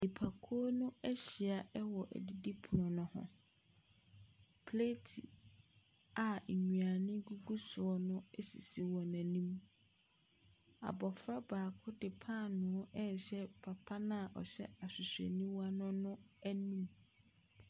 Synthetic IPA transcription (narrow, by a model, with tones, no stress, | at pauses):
nɪ˨pʰa˨kʰu˦ɔ˦nʊ̃˦ɛ˦ɕi˨a˨ɛ˦wɔ˨ʔæ̰˨di˦di˦pʰʊ˨ɔ̃˨nʊ̃˦hɔ̰̃˨ | pʰle˦tʰḭ˨ | a˨ɲu˨a˨nɪ̃˦ɡu˦ɡu˦sʊ˨ɔ˨nʊ̃˦ɛ˦sḭ˨si˦wɔ˨nã˨nĩ˦m | a̰˨bɔ˨fɾa˦baː˨kʰʊ˦dɪ˨pʰã˦˨nʊ̃˨˦ɔ˦ʔɛ˦˨ɕɛ˦pʰa˨pʰa˦nã˦˨ʔɔ̰˨ɕɛ̰˦a˨ɕᶣɪ˨sᶣɛ̰˨nĩ˦wa˦nʊ̃˦nʊ̃˦æ˦nũ˦m